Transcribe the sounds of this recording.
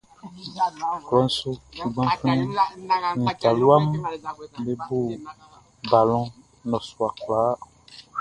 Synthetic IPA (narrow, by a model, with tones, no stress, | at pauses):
klɔ˨˦n̩˦so˦su˨ɡ͡bã˦fĩ˦nĩ˨ta˨lu˦a˦m | be˨bu˦˨ | ba˨lɔ̃˦ | nɔ̃˨su˨a˨k͡plaː˨˦